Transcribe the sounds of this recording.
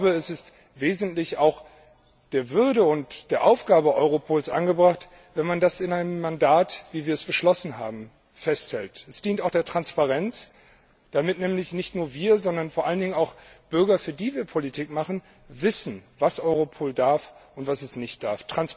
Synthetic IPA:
bəɛsɪst | veːzn̩tlɪçaʊx | d̥eːɐvʏɐdəʊntd̥eːɐʔaʊfɡ̥aːbəʔɔʏʁopʰoːlsʔa̰nɡəbʁaχt | vɛnmandasɪnaɪnəmːandaːtv̥iːviːɐɛsb̥əʃlɔsn̩ɦa̰ːbm̩ | fɛsthɛltɛsd̥iːntaʊxd̥eːɐtʁ̥anspaʁɛnt͡s | d̥amɪtnɛːmlɪçnɪçtnuːɐviːɐzɔndɐnfoːɐʔaləndɪŋənaʊxb̥ʏɐɡɐfyːɐdiːviːɐpʰolitʰiːkmaχn̩ | vɪsn̩vasʔɔʏʁ̞opʰoːldaɐfʊntv̥asɛsnɪçt̚d̥aɐftʁ̥ans

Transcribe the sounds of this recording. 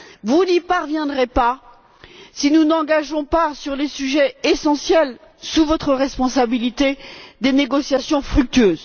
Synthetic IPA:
vunipaʁvjɛ̃d̪ʁepa | sinunɑ̃ɡaʒɔ̃pasyʁlesyʒɛesɑ̃sjɛl | suvɔt̪χəʁɛspɔ̃sabilit̪ed̪eneɡɔsjasjɔ̃fχyk̚t̪yøːz

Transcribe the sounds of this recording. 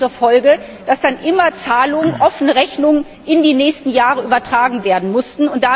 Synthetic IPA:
uːɐfɔlɡə | d̥asd̥anʔɪmɐt͡saːlʊŋənʔɔfn̩əʁɛçnʊŋən | ɪndiːnɛːçstn̩jaːʁəʔyːbɐtʁ̥aːɡŋ̩veːɐdn̩mʊstn̩ʊntd̥a

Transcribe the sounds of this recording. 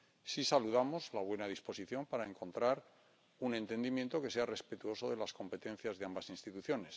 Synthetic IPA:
sisaluðamo̞zlaβ̞we̞nað̞ispo̞siθjo̞mpaɾaeŋko̞nt̪ɾaɾ | unẽ̞nt̪e̞nd̪imje̞nt̪o̞ke̞seare̞spe̞t̪uo̞so̞ðe̞lasko̞mpe̞t̪e̞n̟θjazðe̞ambasinst̪it̪uθjo̞ne̞s

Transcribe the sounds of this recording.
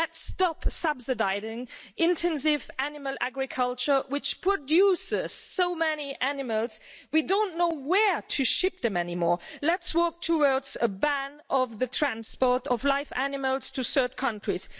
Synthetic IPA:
lɛtstɑpsʌbsɨdaɪɾɪ̃ŋɪ̃ntʰɛ̃ns̬ɪvænɨməlˠʔæ̰ɡɹɨkʰʌlˠt͡ʃə˞wɪt͡ʃpʰɹ̥ɨdjusɪz̥soʊmɛniʔænɨməlˠz̥widõʊ̃nːoʊwə˞ɾʰɨʃɪp̚ðɨ̃mɛnimɔɹlɨtswɔ˞k̚tʰəwɔɹdzəbæ̃nʌvðɨtʰɹ̥æ̃nspɔɹɾʌvlaɪfæ̰nɨməlˠz̥tʰɨsɜ˞t̚kʰʌ̃ntɹ̥iz̥

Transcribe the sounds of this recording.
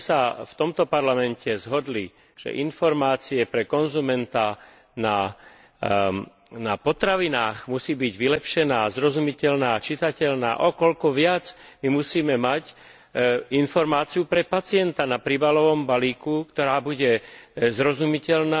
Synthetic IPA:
saft̪ɔmt̪ɔpaɾlamɛncʰɛzɦɔd̪li | ʒ̥ɛ̰ʔinfɔɾmaːt͡siɛpɾɛkɔnzumɛnt̪a | na | napɔt̪ɾaʋinaːɣmusiːbiɟʋilɛpʃɛnaːzɾɔzumicɛʎnaːt͡ʃit̪acɛʎna̰ːʔɔkɔʎkɔʋɪad͡z | mimusiːmɛmac | infɔɾmaːt͡siupɾɛpat͡sɪɛnt̪anapɾiːbalɔʋɔmbaliːkukt̪ɔɾaːbuɟɛzɾɔzumicɛʎnaː

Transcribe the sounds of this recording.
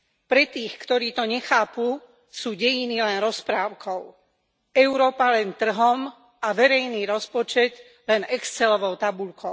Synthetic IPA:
pɾɛt̪iːxkt̪ɔɾiːt̪ɔɲɛxaːpu | suːɟɛjinilɛnɾɔspɾaːʊkʰɔʊ | ɛʊɾɔːpalɛnt̪r̩ɦɔm | aʋɛɾɛjniːɾɔspɔt͡ʃɛt̪ | lɛnɛkst͡sɛlɔʋɔʊt̪abuʎkɔʊ

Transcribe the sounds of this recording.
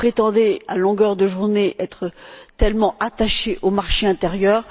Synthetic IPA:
pχet̪ɑ̃d̪ɛalɔ̃ɡœʁd̪əʒuʁneʔɛt̪χət̪ɛlmɑ̃at̪aʃeʔomaʁʃeɛ̃t̪ɛʁjœːʁ

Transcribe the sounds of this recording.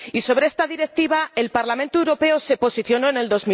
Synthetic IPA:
iso̞β̞ɾee̞st̪aðiɾe̞k̚t̪iβ̞ae̞lpaɾlamẽnt̪oewɾo̞pe̞o̞se̞po̞siθjo̞no̞ene̞ld̪o̞zmi

